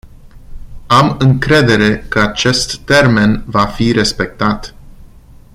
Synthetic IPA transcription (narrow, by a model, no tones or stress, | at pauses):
amɨŋkɾe̞d̪e̞ɾe̞kəat͡ʃe̞st̪ːe̞rme̞nvafiɾe̞spe̞k̚t̪at̪